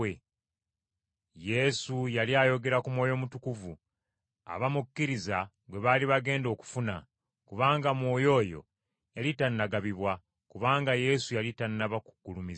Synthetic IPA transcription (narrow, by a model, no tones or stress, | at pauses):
e | je̞sujaliaːjo̞ɡe̞ɾakumwo̞ːjo̞mutukuvu | a̰βamukːiɾiza | ɡwe̞βaliβaɡe̞ːndo̞ːku̥funa̰ | kuβaːŋɡamwo̞ːjo̞ːjo̞̰ | jalitanːaɡaβiβwa | kuβaːŋɡaje̞sujalitanːaβaku̥ɡ̥ulumiz